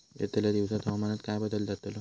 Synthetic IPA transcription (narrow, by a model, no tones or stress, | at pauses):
jḛt̪aljad̪iʋsat̪ɔɦmanat̪kajbəd̪əld͡zat̪əlɔ